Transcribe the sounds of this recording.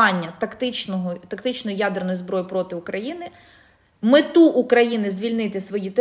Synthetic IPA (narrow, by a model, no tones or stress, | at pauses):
ɑnʲːɐt̪ɐkt̪ɪt͡ʃnɔɦɔt̪ɐkt̪ɪt͡ʃnɔjijad̪ernɔjizbɾɔjʊpɾɔt̪ɪʊkɾɐjinɪ | mɪt̪uʔːkɾɐjinɪzʲʋʲilʲnɪt̪ɪsʋɔjit̪ɛ